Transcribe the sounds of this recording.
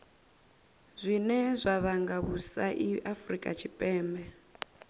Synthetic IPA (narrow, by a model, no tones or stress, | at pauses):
zʷinɛzʷaβaŋɡaβusaʔiafrikʼa̰t͡ʃʰipʼɛːmbɛ